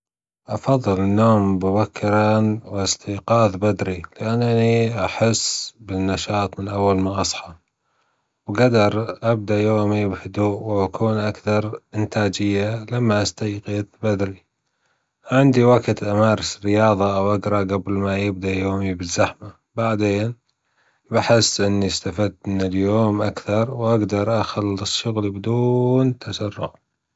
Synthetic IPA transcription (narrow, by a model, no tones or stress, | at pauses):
ʔɑfɑðˤːɨlnːoːmbɪbakʰːɪɾɑnwɪst̪ʰiːqɑːðbad̪ɾilɪʔanːniʔaħɪsːbɪnːaʃɑːt̪ˤmɪnʔawːalmaʔɑsˤħɑ | wɡad̪ɑɾˤʔab̚d̪ajoːmibhʊd̪uːʔwakʰuːnʔakθɑɾˤʔɪnt̪aːd͡ʒɪjːalamːaʔast̪ajqɪðbad̪ɾi | ʕɪnd̪iwaɡt̪ʔamaːɾˤɪsrːɪjɑːðˤɑʔawʔaɡɾˤɑɡablmajɪb̚d̪ajoːmibɪzːaħma | baʕd̪eːn | baħɪsːʔɪnːiɪst̪afad̪mɪnɪljoːmʔakθɑɾˤwʔaɡd̪ɑɾˤʔaxalːɨsˤʃʊɣlbɪd̪uːnt̪ʰːasarːʊ̰ʕ